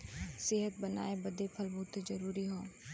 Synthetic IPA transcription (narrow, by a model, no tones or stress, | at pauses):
sɪɦət̪̚bɐna̰ːebɐd̪epʰɐlbut̪d͡ʒɐɾuːɾiɦoː